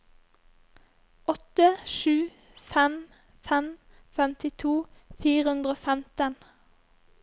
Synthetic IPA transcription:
ɔt̪əʃʉː | fɛm | fɛm | fɛmt̪ɪt̪ʰuːfiːʁəhʉnd̪ʁəoːfɛmt̪ən

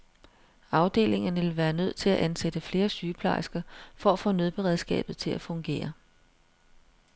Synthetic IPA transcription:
ɑ̈ʊd̥e̝̰ːle̝ŋɐnʋe̝lʋæːɐnøð̞̰ˠt͡sʰe̝læʔænsed̥əfle̝ːɐsyːpʰlɑ̈ɪsɡ̥ɐfɒ̽æfɔ̰̽ːnøð̞ˠb̥e̝ʁɛð̞ˠsɡ̥ɛ̰ːb̥ð̩ˠt͡sʰe̝læfɔ̽ŋɡ̥e̝̰ːɐ

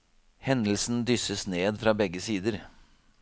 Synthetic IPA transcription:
hɛnəl̩sn̩d̪ʏsəsneːd̪fɾɑːbɛɡːəsiːd̪əɾ

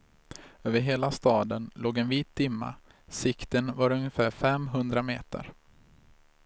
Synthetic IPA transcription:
øːvəɾɦeːlast̪ɑːd̪ənloːɡɛnviːt̪̚d̪ɪmːa̰ | sɪkt̪ənvaɾɵŋjəfæːɾfɛmɦɵnd̪ɾamḛːt̪ə̰ɾ

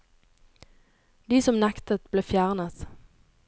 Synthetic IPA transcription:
d̪iːsɔmnɛkt̪ət̪bleːfjæːʁnəs

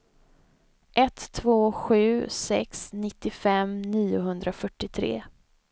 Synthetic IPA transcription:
ʔɛt̪ʰːvoːɧʉ̟ːsɛ̰ksnɪt̪ːɪfɛmniːʊɦɵnd̪ɾafœʈːɪt̪ʰɾḛː

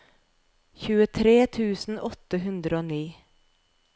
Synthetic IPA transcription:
çʉːət̪ʰɾeːt̪ʰʉːsn̩ɔt̪ːəɦʉnd̪ɾəoːniː

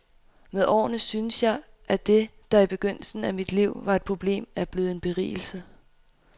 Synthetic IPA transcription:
meðˠʔɒ̰ːnəsynəsjɑ̈ɪ | ʔæd̥e̝d̥ɑ̈ib̥e̝ɡ̥øn̰l̩sn̩æmid̥liʊ̰ʋɑ̈e̝d̥̚pʰʁo̝b̥le̝̰ːmæb̥leːð̩ˠe̝nb̥e̝ʁḭːl̩sə

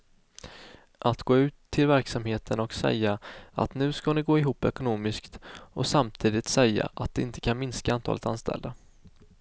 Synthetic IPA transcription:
ʔat̪ɡoːʉ̟ːt̪ʰːɪlvæɾksamheːt̪ʰənɔksɛ̰jːaa̰t̪nʉ̟ːskanɪɡoːɪɦuːpːɛkʊnoːmɪskt̪ɔsamt̪ʰiːd̪ɪt̪sɛjːa̰ʔat̪̚d̪ɛɪnt̪ʰə̥kʰanmɪnskaant̪ʰɑ̰ːlət̪anst̪ɛ̰ld̪a

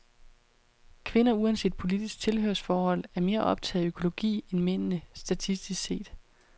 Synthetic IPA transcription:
kʰʋe̝nɐuænse̝̰ːd̥̚pʰo̝lid̥isɡ̥̚t͡sʰe̝lɦøɐsfɒːhɒ̽l̰æɐme̝ːɐʔɒ̽b̥t͡sʰɛ̰ːð̩ˠøkʰo̝lo̝ɡ̥ḭːenmen̰nəsd̥æt͡sʰisd̥isse̝̰ːd̥

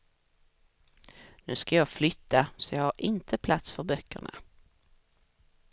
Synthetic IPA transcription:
nʉ̟ːskajɑːɡflʏt̪ʰːasɔjɑɡhaɾʔɪnt̪ʰəpʰlat̪sfœɾbœkːə̰ɳa̰

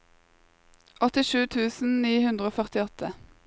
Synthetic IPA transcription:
ʔɔt̪ɪʃʉːt̪ʰʉːsn̩niːhʉnd̪ʁəoːfœʁt̪ɪɔt̪ʰə

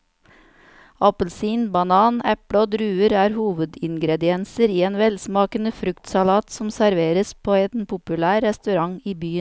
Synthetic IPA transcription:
ɑpəl̩siːnbɑnɑːnɛpɽəoːd̪ɾʉːəɾæːɾhuːʋəd̪ɪŋɡɾɛd̪ɪɛnsəɾiːeːnʋɛlsmɑːkənəfɾʉkt̪sɑlɑːt̪sɔmsæɾʋeːɾəspʰoːɛnpʰʊpʉlæːɾːɛst̪ʉɾɑŋiːbyː

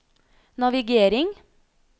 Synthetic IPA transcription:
nɑʋɪɡeːɾɪŋ

